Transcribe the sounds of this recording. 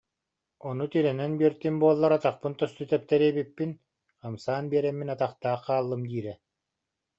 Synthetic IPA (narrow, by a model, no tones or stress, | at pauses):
ɔnut̪iɾɛnɛnbiɛɾt̪imbuɔlˠːaɾat̪aχpɯnt̪ɔst̪yt̪ɛp̚t̪ɛɾiɛbipːin | qamsaːnbiɛɾɛmːinat̪aχt̪aːχqaːlˠːɯmd̪iːɾɛ